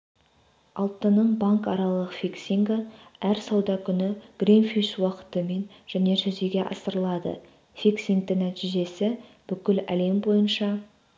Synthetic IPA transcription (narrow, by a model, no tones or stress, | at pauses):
ɑlˠt̪ːənəɴbaŋkɑɾɑlˠəqfiksiŋɡəæɾsɑwd̪ɑkʲʰʏnɪɡ̥rinfiʃwɑqə̥t̪əme̞n | ʒ̥æne̞ʒɵze̞ɡʲe̞ʔɑ̰səɾəlˠɑd̪ə̰ | fiksʲiŋ̚d̪ɪnæt̪ijʒe̞sɪb̥ʏkʲɪlæ̰le̞mbo̞jənʃɑ